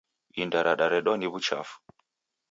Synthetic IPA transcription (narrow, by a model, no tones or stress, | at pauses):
indaɾaɗaɾɛɗɔniβut͡ʃa̰fu̥